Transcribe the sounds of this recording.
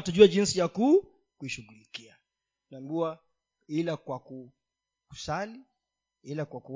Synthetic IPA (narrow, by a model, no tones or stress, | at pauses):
tuʄuaʄinsijaku | kuiʃuɣulikia | nambua | ilakwaku | kusali | ilakwaku